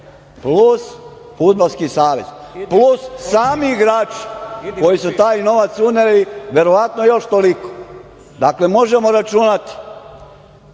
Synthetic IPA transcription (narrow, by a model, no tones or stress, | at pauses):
plus | fud̪̚balskisaːʋḛz | plusːaːmiiɡɾaːt͡ʃi̥ko̞jisut̪aːjno̞ʋat̪suneliʋe̞ɾoʋat̪nojo̞ʃt̪oliko̥ | d̪akle̞mo̞ʒe̞mo̞ɾat͡ʃunat̪i̥